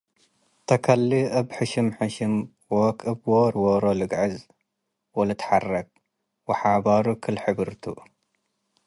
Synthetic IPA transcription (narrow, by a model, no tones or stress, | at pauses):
t̪ʰɐkʰɐlːiɐbħɨʃɨmħɨʃɨm | wokʼɨbwoɾwoɾolɨɡʕɨz | wolɐt̪ʰħarːɐk̚ | wɐħaʕbaɾukʰɨlħɨbɨɾt̪ʰuʔ